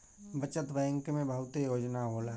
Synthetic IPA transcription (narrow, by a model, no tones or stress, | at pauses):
bət͡ʃət̪bəjə̃ŋkmẽbʱəɦʊt̪ejoːd͡ʒnaboːla